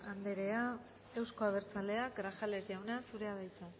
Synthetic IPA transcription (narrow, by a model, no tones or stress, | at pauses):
and̪e̞ɾe̞a | e̞wsko̞aβ̞e̞ɾt͡sale̞aɡɾaxale̞zʝawnasuɾe̞aðajt͡sa